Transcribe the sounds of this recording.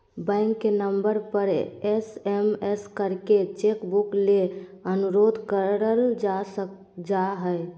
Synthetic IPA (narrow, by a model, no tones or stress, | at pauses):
bɛ̃ɪŋkːenəmbəɾpəɾɛsɛmɛskəɾket͡ʃekbukleənuɾod̪ʱkəɾəld͡ʒasə | d͡ʒaɦɛj